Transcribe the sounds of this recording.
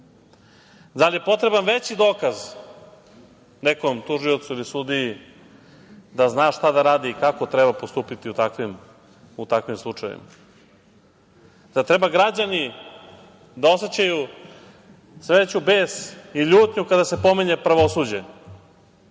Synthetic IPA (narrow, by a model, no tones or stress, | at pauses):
d̪alije̞po̞t̪ɾe̞banʋe̞t͡ɕid̪o̞ːkaz | nekomt̪uʒio̞t̪suilisud̪iji | d̪aznaːʃt̪ad̪aɾaːd̪iːkako̞t̪ɾebapost̪uːpit̪iut̪akʋim | ut̪akʋimslˠut͡ʂajʋḭma | d̪at̪ɾebaɡɾad͡ʑani | d̪ao̞set͡ɕaju | sʋet͡ɕubeːsiʎuːt̪ɲukad̪ase̞po̞miɲe̞pɾaʋosud͡ʑe